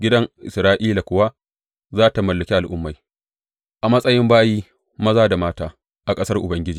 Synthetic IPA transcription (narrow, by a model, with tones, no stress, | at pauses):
ɡʲɪ˦dɐ˦ŋʔɪ̰˨sɾaː˦ʔiː˦la˨kʷʊ˦wa˦ | zaː˦ta˨mɐ˨lːɐ˨kʲi˦ʔa˨lʔʊ˦mːa˨ | ʔa˨mɐ˦sʼɐ˦jɪ˦mbaː˦jiː˦ | mɐ˦zaː˦da˨maː˦taː˦ | ʔa˨kʼɐ˦sɐ˦rʔʊ˨bɐ˦ŋɡʲɪ˦d͡ʒiː˨